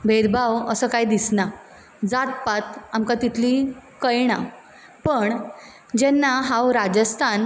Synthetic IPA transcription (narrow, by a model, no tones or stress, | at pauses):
bʱed̪bʱawəsəːkajd̪isna | d͡zat̪pat̪amkat̪it̪ʰliːkəjɳa | pəɳ | d͡ʑɛnːaɦãwɾad͡ʑəst̪ʰan